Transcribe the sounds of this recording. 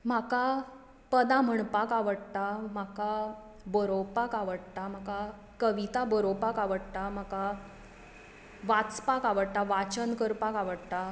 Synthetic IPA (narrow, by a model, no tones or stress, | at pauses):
m̤aka | pəd̪ãm̤əɳpakaʋəɽt̪am̤aka | bəɾowpakaʋəɽt̪am̤aka | kəʋit̪abəɾopakaʋəɽt̪am̤aka | ʋat͡spakaʋəɽt̪aʋat͡ɕənkəɾpakaʋəɽt̪a